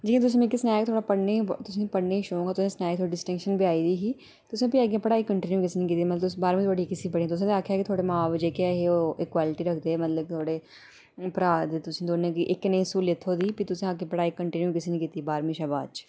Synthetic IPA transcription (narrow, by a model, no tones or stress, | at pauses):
d͡ʒiːkẽt̪ʊs̬ĩmẽːkisnaːjkt̪ʰoːɽaːpəɽneːt̪ʊsĩːpəɽneːiʃõːŋɡaːt̪ʊsẽːsnaːk̚t̪ʰoːɽiːɖɪsʈɪ̃ŋkʃənbiaːiːd̪iːɦiː | t̪ʊsẽːpiaɡẽːpəɽaːiːkəɳʈinjuːkɪseːnĩːkiːt̪imət̪ləsbaːɾmĩt̪ʰoːɽikɪsĩːpəɽiːẽːt̪ʊs̬ẽːt̪aːkʰːjaːkit̪ʰoːɽeːmãːʋd͡ʒeːkeaɦeoːʔɪkwaːlɪʈiːɾəkʰd̪eːmət̪ləbt̪ʰoːɽeː | pɾaːd̪et̪ʊsĩːd̪oːnẽːkiʔɪkːnẽsuːlet̪ʰːoːd̪iːpit̪ʊsẽakːepəɽaːikəɳʈɪnjuːkɪseːnĩːkiːt̪iːbaːɾmĩːʃabaːt͡ʃ